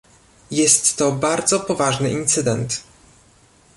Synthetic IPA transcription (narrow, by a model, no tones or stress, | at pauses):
jɛst̪ːɔbaɾd̪zɔpɔvaʐnɘʔint̪sɘd̪ɛnt̪